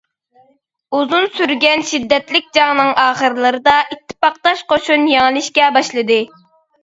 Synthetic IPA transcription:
uzunsyɾɡʲɛnʃid̪ːɛt̪lɪkʲd͡ʒɑŋnɨŋɑːχəɾɨlˠɨɾɨd̪ɑʔit̪ʰːɪ̥pɑq̚t̪ɑʃqʰoʃunjɑŋlˠɨʃkʲɛbɑʃlˠɨd̪ɨ

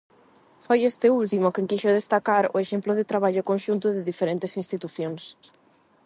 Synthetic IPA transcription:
fojest̪ɪult̪imʊkeŋkiʃʊð̞est̪akaɾʊ̰eʃemplʊðɪt̪ɾaβ̞aʎʊkonʲʃunt̪ʊðɪðifeɾent̪esinst̪it̪uθjoŋs

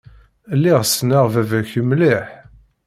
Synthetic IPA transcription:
lːiʁsnaʁvævæçəmlɪħ

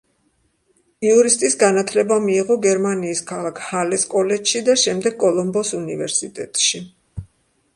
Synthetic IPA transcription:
iuɾist̪ʼisɡanat̪ʰlɛbamiːʁɔɡɛɾmaniːskʰalˠakʰhalɛskʼɔlɛt͡ʃʃid̪aʃɛmd̪ɛɡkʼɔlˠɔmbɔsunivɛɾsit̪ʼɛt̪ʼʃi

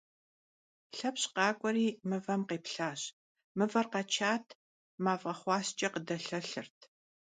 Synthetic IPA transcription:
ɬɐpɕqɑːkʷʼɔɾiːmɨvɐmqeːpɬaːɕ | mɨvɐrqɐt͡ʃʰaːtʰ | maːfʼɐχʷɑːɕt͡ʃʼɐqədɐɬɐɬɨrtʰ

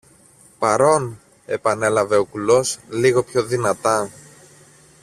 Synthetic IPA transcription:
pɐɾo̞n | e̞pɐne̞lɐve̞o̞kulo̞sliɣo̞pço̞ðinɐt̪ɐ

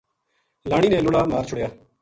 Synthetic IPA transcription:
laːɽiːnẽːlʊɽaːmaːɾt͡ʃʰʊɽjaː

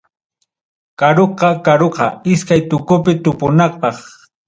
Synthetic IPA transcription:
kaɾoqɑkaɾoqɑ̰ɪskajt̪ʊkʊpɪt̪ʊpʊnɑχpɑχ

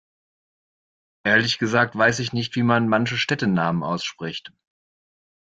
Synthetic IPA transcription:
ʔeːɐlɪçɡ̥əzaːk̚tv̥aɪsɪçnɪçtv̥iːmanmançəʃtɛtənaːmənʔa̰ʊsʃpʁ̥ɪçt

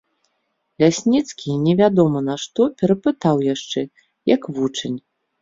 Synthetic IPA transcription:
lʲasʲnʲit̪skʲinʲɛvʲad̪ɔmɐnɐʂt̪ɔpʲɛɾɐpɨt̪awjaʂt͡ʂɛ | jɐkvut͡ʂɐnʲ

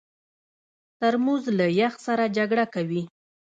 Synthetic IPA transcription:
t̪aɾmuzlajaxsaɾad͡ʒaɡɽakawi

